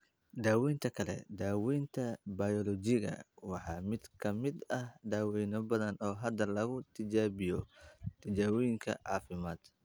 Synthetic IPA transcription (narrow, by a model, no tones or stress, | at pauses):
d̪aːwɛːnt̪ʰɐkʰɐlɛ̰d̪aːwɛːnt̪ʰɐbɐjɔlɔt͡ʃɪɣɐ̰wɑħɑːmɪd̪kʰɐmɪd̪ɐhd̪aːwɛjnɔbɐðɐnɔːɦɐd̪ɐlɐɣʊt̪ʰɪt͡ʃaːβɪjɔt̪ʰɪt͡ʃaːwɔjɪŋkʰɐ̰ʕɑ̰ːfɪmaːd̪̥